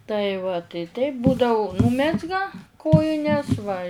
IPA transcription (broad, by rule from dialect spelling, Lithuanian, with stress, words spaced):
tɐɪ ʋɐ tɐɪ tɐɪp ˈbuːdɐʊ ˈnuːmʲɛzɡɐ ˈkoːjɪnʲɛs ʋɐ